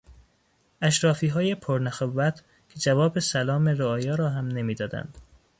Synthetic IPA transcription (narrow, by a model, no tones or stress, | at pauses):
æʃɾɒːfiːɦɒːje̞pʰoɾnæxovæt̪ʰ | kʰed͡ʒævɒːbesælɒːmeɾoɒːjɒːɾɒːɦæmne̞miːd̪ɒːd̪æ̰nd̪̥